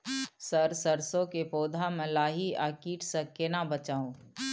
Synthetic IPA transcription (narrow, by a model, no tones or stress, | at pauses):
səɾsəɾsõkepoːd̪ʱamɛ̃laːɦiaːkiːʈʰsəkenabət͡ʃaːũː